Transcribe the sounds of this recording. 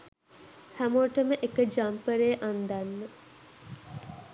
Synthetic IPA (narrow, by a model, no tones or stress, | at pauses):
hæmoəʈəməʔekəd͡ʒampəɾeːʔand̪anːə